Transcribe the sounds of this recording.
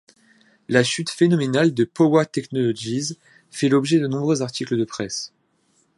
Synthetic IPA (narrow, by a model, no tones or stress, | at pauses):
laʃyt̪fenɔmenald̪əpɔwat̪ɛknɔlɔʒiz | fɛlɔbʒɛd̪ənɔ̃bʁøzaʁt̪ikləd̪əpχɛs